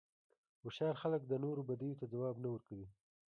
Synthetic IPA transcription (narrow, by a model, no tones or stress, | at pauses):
wʊʃɑɾxalək̚d̪ənoɾobad̪ijot̪ad͡zawɑbnawəɾkawi